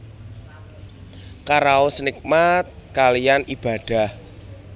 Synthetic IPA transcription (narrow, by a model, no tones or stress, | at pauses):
kaɾaosnik̚mat̪̚kalijanib̥a̤d̥a̤h